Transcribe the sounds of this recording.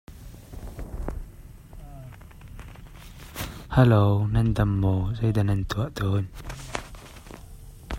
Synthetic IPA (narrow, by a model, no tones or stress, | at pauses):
halownɐnd̪ɐmːɔːzejdanɐnt̪ʰuaʔt̪ʰoːn